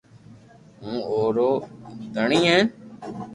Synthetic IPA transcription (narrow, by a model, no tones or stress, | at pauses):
ɦũːoːɾoːd̪əɳĩːɦẽːn